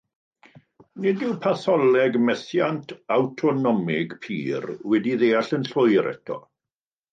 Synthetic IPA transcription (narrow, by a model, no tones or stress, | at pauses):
nɪdɪwpʰaθɔlɛɡmɛθjantʰawtʰɔnɔmɪɡpʰḭːrwɛdiðejaɬənɬʊjɾɛ̰tʰɔ̰